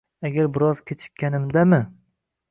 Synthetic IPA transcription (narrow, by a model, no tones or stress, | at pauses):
aɡʲaɾbɪɾɒz̥kʲʰet͡ʃʰɪ̥kʲːanɪmd̪amɪ